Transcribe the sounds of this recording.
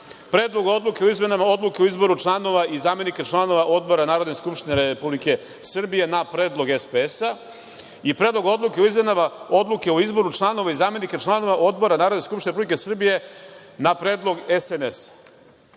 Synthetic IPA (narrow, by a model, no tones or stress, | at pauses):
pɾeːd̪lˠo̞ɡao̞d̪lˠukeoizmenamao̞d̪lˠukeuizbo̞ɾut͡ʃlˠano̞ʋaʔizaːme̞niket͡ʃlˠano̞ʋaʔo̞d̪̚bo̞ɾanaːɾod̪neskupʃt̪ineɾeepublike̞ | sr̩bijenapɾe̞ːd̪lˠo̞ɡespeesa | ipɾed̪lo̞ɡo̞d̪lˠuke̞oizme̞namao̞d̪lˠuke̞oizbo̞ɾut͡ʂlˠano̞ʋaizaːme̞niket͡ʃlˠano̞ʋaʔo̞d̪̚bo̞ɾanaːɾod̪neskupʃt̪inepublikesr̩bije̞ | napɾeːd̪lˠo̞ɡesenes